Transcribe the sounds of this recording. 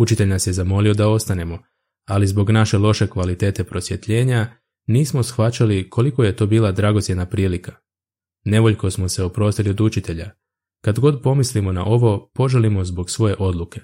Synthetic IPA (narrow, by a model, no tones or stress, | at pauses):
ut͡ʃit̪e̞ʎʲnasje̞zamo̞lio̞d̪ao̞st̪ane̞mo̞ | alizbo̞ɡnaʃe̞lo̞ʃe̞kʋalit̪e̞ːt̪e̞pɾo̞sje̞t̪ʎe̞ːɲa | niːsmo̞sxʋat͡ʃalikʰo̞liko̞je̞t̪o̞biːlˠad̪ɾaɡo̞t̪sje̞d̪napɾiːlika | ne̞ʋo̞ʎko̞smo̞se̞opɾo̞st̪ilio̞d̪ut͡ʃit̪e̞ʎa | kad̪ɡo̞d̪po̞mislimo̞na̰ʔo̞ʋo̞po̞ʒelimo̞zbo̞ɡsʋo̞je̞ʔo̞d̪lˠuke̞̥